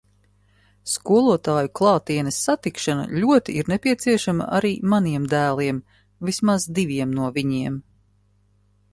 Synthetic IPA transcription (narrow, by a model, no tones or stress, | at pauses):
skuɔlˠuɔt̪aːjuklˠɑːt̪iɛnɐsːat̪ikʃana̰ʎʲuɔt̪iiɾnɛpʲiɛt̪siɛʃama̰ʔa̰ɾiːmaniɛmd̪æːlˠiɛm | vismazd̪ivʲiɛmnuɔviɲiɛm